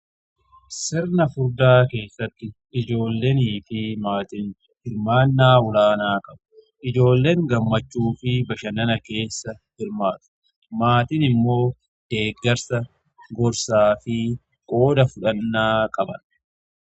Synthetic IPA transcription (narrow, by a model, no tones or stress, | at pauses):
sɛɾnɐfʊɾd̪aːke̞ːsːɐt̪ːɪ | ɪd͡ʒo̞ːlːe̞ːniːfɪmaːt̪ɪn | hɪɾmaːnːaːʊlaːnaːkʼɐbɐ̥ | ʔɪd͡ʒo̞ːlːe̞ːŋɡɐmːɐt͡ʃːuːfɪbɐʃɐnɐnɐke̞ːsːɐhɪɾmaːt̪ʊ̥ | maːt̪ɪnɪmːo̞ː | d̪̥e̞ːɡːɐɾsɐ | ɡɔɾsaːfɪ | kʼo̞ːd̪ɐfʊᶑɐnːaːkʼɐbɐn